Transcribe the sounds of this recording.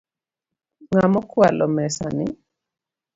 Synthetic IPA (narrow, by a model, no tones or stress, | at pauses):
ŋamɔkwalɔmɛsa̰nɪ